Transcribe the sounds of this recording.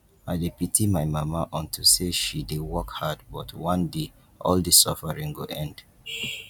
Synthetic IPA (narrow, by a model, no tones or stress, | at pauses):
aɪdepitimaɪmamaʔɔ̃ntʰuseʃidewɔkhad̚bɔtwɔ̃nde | ʔɔldisɔfəɹĩŋɡoʔɛ̃nd̥